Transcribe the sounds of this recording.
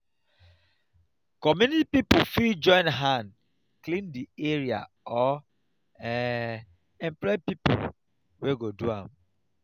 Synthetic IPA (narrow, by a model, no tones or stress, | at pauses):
kɔmunipipufild͡ʒɔ̃ɪ̃nɦãnd | klĩndieɹia̰ | ɔ | ɛ | ɛ̃mplɔpipṵl | weɡoduã̰m